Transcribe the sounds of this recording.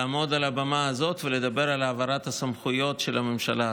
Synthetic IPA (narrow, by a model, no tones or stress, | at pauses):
aːmo̞d̪alabamaazo̞tveled̪abeʁalaːvaʁat̪hasamχujo̞t̪ʃelamemʃala